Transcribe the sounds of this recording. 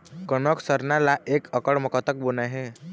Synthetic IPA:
kənɔksəɾnalaʔekʰəkəɽməkɔt̪ək̚bonaɦẽ

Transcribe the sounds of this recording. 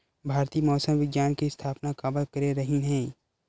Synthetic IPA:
bʱaːɾt̪iːmɔːsəmʋɪɡjaːnkist̪ʰaːpnakaːbəlkɐɾeɾɐɦiɦɛ̃ː

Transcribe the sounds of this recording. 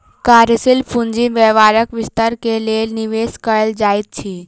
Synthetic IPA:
kaːɾəsilpʰũɲd͡ʒiʋɛʋaːɾəkʋɪst̪əɾkeleːniʋeːskəɭəld͡ʒaːit̪̚t͡ʃʰiː

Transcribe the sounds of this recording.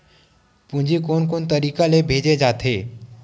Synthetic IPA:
pũɲd͡ʒikoːnkoːnt̪ɐɾiːkalebʱeːd͡ʒed͡ʒaːt̪ʰeː

